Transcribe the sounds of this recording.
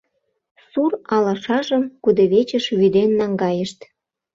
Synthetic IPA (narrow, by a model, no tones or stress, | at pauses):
surɑlɑʃɑʒəmkud̪əβet͡ɕəʃβyd̪enːɑŋɡɑjəʃt̪